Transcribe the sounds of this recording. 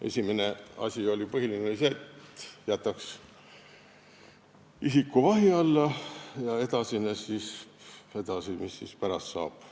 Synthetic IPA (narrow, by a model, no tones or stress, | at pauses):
e̞̰sʲimene̞ɑ̰sʲio̞lʲipɤɦilineseːt̪jæt̪ːˑɑks | isikːˑuvɑɦiɑlːɑjɑe̞d̪̥ɑsinesise̞d̪̥ɑsimisːispæɾɑst̪sɑ̰ːb̥